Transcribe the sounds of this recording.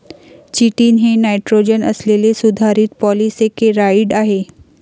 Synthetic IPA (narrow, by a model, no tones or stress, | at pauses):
t͡ʃiʈiːnɦenaɪʈɾod͡ʒənə̰slelesud̪ʱaɾit̪̚pɔːlisekeɾaiɖaɦe